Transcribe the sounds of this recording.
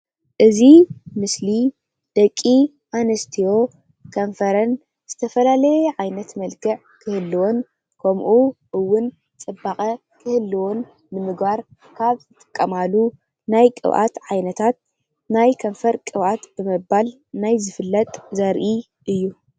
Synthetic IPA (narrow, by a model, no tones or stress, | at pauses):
ʔɨzimɨsli | d̪̥ɐkʼːi | ʔanɐst̪ʰijo̞ | kʰɐɱfɐɾɐn | z̥ɨt̪ʰɐfɐlalɐjʕajnɐt̪mɐlkʰɨʕ | kʰɨhɨlːiwo̞n | kʰɐmʔuʔɨwːʊn | t͡sʼɨbaxʼɐ | kʰɨhɨlːiwo̞nː | ɨmɨɡbaɾ | kʰaβzʰɨt̪ʼɨ̥kʼːɐmalu | najkʼɨ̰βʔa̰t̪ʕajnɐt̪ʰat̪̚ | najkʰɐɱfɐɾkʼɨβʔat̪b̥ɨmɨbal | najzɨfɨlːɐt̪ʼzɐɾʔi | ʔɨjːu